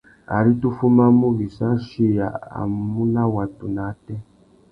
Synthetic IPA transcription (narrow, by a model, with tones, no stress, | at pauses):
a̰˨ɾi˦tu˦fu˦ma˦mu˦βi˨sa˦ʃi˦ja̰˨a̰˨mu˦na˦wa˨tu˨na˨˦tɛ˦